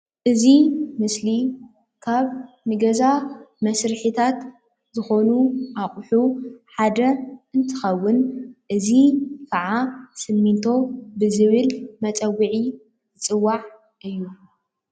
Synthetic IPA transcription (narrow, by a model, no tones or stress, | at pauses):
ʔɨzimɨsli | kʰaβ | nɨɡɐzamɐsɾɨħit̪ʰat̪ | zɨxo̞nuʔaχʼħuħad̪ɐɨnt̪ʰɨ̥xɐwːʊnʔɨzikʰɐʕasɨmːint̪ʰo̞bɨzɨβɨlmɐt͡sʼɐwiʕi | zɨt͡sʼɨwːaʕ | ʔɨjːu